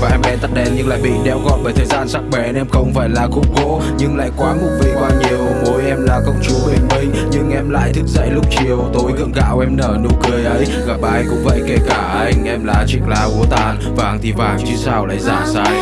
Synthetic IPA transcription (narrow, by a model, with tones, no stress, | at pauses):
vaː˨˩ʔɛ˧mɗɛ˧nt̪ə˦˥t̚ɗɛ˧˩nɲɨ˧ŋla̰ː˧˨jɓḭ˧˨ɗɛ̰˧˩wɣɔ̰˧˨nɓəː˧˩jt̪ʰəː˨˩jzaː˧˩nsa˦˥k̚ɓɛ˨˩nʔɛ˧mxə˧wŋ͡mfaː˧˩jlaː˨˩xʊ̰˧˥ŋ͡mɣo̰˧˥ | ɲɨ˧ŋla̰ː˧˨jkwaː˨˦mʊ˨˧˩k͡p̚vḭ˧˨kwaː˧ɲi˨˩əwmo˨˦jʔɛ˧mlaː˨˦kə˧wŋ͡mt͡ɕu˨˦ɓi˨˩ŋ̟mï˧ŋ̟ɲɨ˧ŋʔɛ˧mla̰ː˧˨jt̪ʰɨ˦˥k̚zə̰˧˨jlʊ˦˥k͡p̚t͡ɕi˨˩əwt̪o˨˦jɣɨ̰˧˨əŋɣa̰ː˧˨wʔɛ˧mnəː˧˩nṵ˧˥kɨ˧əjʔə˨˦j | ɣa˨˩p̚ʔaː˧jkʊ̰˧˥ŋ͡mvə̰˧˨jke˧˩kaː˧˩ʔa˧jŋ̟ʔɛ˧mlaː˨˦t͡ɕi˧˩k̚laː˨˧ʔu˨˦ət̪aː˨˩n | vaː˨˩ŋt̪ʰi˨˩vaː˨˩ŋt͡ɕɨ˨˦saː˧wla̰ː˧˨jzaː˧˩saː˧j